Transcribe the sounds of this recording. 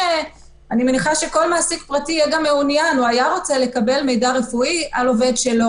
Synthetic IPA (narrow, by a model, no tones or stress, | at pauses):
anime̞niχaʃe̞ko̞lmaːsikpʁatijɛɡamːeunjanuajaʁo̞t͡se̞le̞kabe̞lme̞jdaʁe̞fuiʔalo̞ve̞dʃe̞lo̞